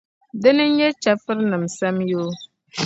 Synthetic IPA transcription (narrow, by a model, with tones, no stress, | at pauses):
dɛ˦nɨ˦ɲ̩˦jɛ˦t͡ʃa˨fɨ˦ɾnɨ˨msɛ˦mjoː˦